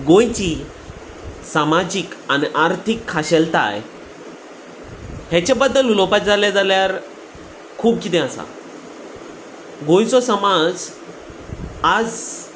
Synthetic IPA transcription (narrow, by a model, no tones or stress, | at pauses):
ɡõjt͡ɕi | samad͡ʑikaniʔaɾt̪ʰikʰːaɕɛlt̪a̰j | hjat͡ɕabəd̪ːəlulɔpat̪d͡zaljad͡zaljaɾ | kʰuːp̚kit̪ɛ̃asa̰ | ɡõj̃t͡sɔsəmad͡z | ad͡z